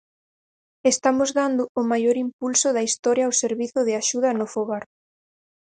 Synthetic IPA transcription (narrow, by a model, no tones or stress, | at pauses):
est̪amʊzðand̪ʊʊmajoɾimpulsʊðɐist̪ɔɾjɐːwseɾβiθʊðɪaʃuðɐnʊfoɣaɾ